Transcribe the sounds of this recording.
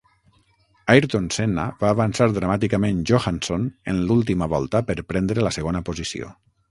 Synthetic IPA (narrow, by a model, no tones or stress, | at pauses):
ajɾt̪onsena̰βaːβansaɾðɾamat̪ikamẽnʒoxansonḛnlulˠt̪imaβɔlˠt̪əpəɾpɾɛnd̪ɾeləseɣonəpozisḭo̰